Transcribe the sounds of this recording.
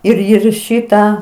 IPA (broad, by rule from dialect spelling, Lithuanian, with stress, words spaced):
ɪr ɪr ˈʃʲɪtɑː